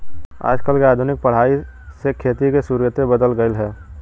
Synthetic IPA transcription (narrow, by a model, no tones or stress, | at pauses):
a̰ːd͡ʒkəlkeaːd̪ʱʊnɪk̚pəɽ̤aːisekʰeːt̪ikesuɾjət̪ebəd̪əlɡəɪlɦɛː